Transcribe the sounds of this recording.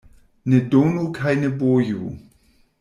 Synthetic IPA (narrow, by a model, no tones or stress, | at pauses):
nedonokʰajneboju